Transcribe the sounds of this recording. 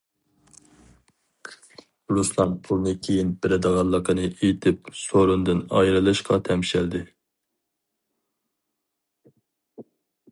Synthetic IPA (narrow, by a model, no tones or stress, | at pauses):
ɾuslˠɑnpʰulˠnɨkʲʰejinbɪɾɪd̪əʁɑlˠːəqʰənɨʔejit̪ʰɪp̚soɾund̪ɨnɑ̰jɾɨlˠɨʃqʰɑt̪ʰɛmʃɛld̪ɪ